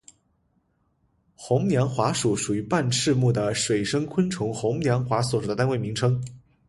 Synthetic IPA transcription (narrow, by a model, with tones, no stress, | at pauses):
xʊ˧˥ŋnjɑ˧˥ŋxwa˧˥ʂu˨˩ʂu˨˩y˧˥pa˥˧nʂʰɻ̩˥˧mu˥˩d̪ə˩ʂwe˨˩ɪʂɤ˥ŋkʰwə˥nʈ͡ʂʰʊ˧˥ŋxʊ˧˥ŋnjɑ˧˥ŋxwa˧˥swɔ˨˩ʂd̪ə˦t̪a˥we˥˩ɪmi˧˥ŋʈ͡ʂʰɤ˥ŋ